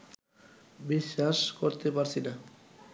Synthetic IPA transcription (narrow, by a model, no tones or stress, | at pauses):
biʃːaʃkoɾt̪epaɾt͡ɕʰina